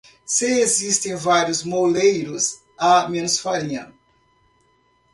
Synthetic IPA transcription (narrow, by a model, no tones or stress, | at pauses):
sɪezist̪ẽj̃vaɾjʊzmolejɾʊz | amẽnusfaliɐ̰̃